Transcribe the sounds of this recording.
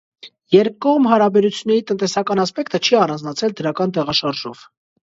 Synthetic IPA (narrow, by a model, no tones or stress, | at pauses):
jɛɾ̚kɔʁmɦɑɾɑbɛɾut͡sʰjunːɛɾit̪ənt̪ɛsɑkɑnɑspɛkt̪ət͡ʃʰiɑrɑnd͡znɑt͡sʰɛld̪əɾɑkɑnt̪ɛʁɑʃɑɾʒɔv̥